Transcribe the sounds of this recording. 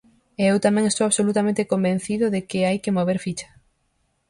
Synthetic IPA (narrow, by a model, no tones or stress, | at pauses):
eewt̪amɛ̃ŋest̪owaβsolut̪amẽnt̪ekombẽn̟θiðʊðekɪajkɪmoβ̞eɾfit͡ʃɐ̥